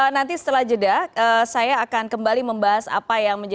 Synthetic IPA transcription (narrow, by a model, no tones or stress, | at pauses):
ənant̪isə̥t̪əlahd͡ʒədaəːsajaːkankəmbaliməmbaɦasa̰pajaŋməɲd͡ʒa